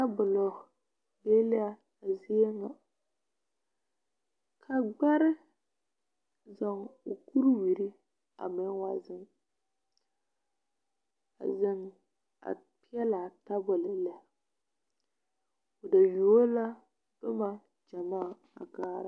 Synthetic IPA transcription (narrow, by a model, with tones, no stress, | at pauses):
a˦bʊ˨lɔ˨ | le˦le˦a˨ | a˨zi˦e˦ŋa˨ | kʰa˨ɡ͡ba˦ɾɪ˦ | za˨ŋo˨ku˦ɾwi˨ɾi˦ | a̰˨mɪ˦ŋ˦wa˦zɨ˨ŋ | a̰˨zɪ˦ŋ | a̰˨ | pi˦ɛ˦la˨ta˦bʊ˨lɪ˨lɛ˦a˨ | o˨da˨jo˨˦la˦ | d̥ʊ˦ma˨ | d͡ʒa˨maː˦˨ | a̰˨kaː˦ɾa˨˦